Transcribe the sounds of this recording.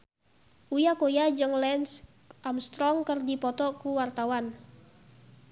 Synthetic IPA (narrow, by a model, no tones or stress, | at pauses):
ʔujakojad͡ʒɨŋlɛns | ʔamst̪ɾɔŋkərdipɔt̪ɔkuwart̪awan